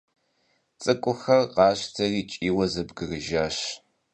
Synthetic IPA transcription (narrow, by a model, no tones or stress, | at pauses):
t͡sʼɨkʷʼʊxɐrqɑːɕtʰɐriːt͡ʃʼiːwɐzɐbɡɨrɨʒaːɕ